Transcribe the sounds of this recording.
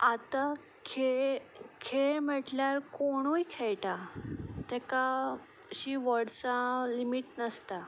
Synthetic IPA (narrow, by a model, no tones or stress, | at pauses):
at̪a | kʰekʰem̤əʈljaɾkoɽ̃ujkʰeɭʈat̪ɛka | ɕiːʋəɽsalimiʈnəst̪a